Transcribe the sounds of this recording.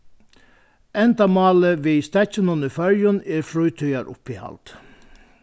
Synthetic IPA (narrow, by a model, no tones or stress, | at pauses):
ɛnd̪ɑmɑːləʋeːst̪ɛçənənəfœɾjəneːɾfɾœːt̪ʰœʏɑɾʔʊ̰piːhɑ̰ld̪̥